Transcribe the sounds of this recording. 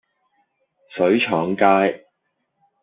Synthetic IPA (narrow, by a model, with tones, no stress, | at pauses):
sɵ˨˥ɥt͡ʃʰɔː˨˥ŋkaː˥j